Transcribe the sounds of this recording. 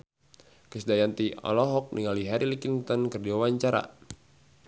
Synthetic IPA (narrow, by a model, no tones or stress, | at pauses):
kəsdajant̪iɔ̰lɔɦɔk̚niŋaliɦaɾilikint̪ɔnkərdiwawaɲt͡ʃaɾa̰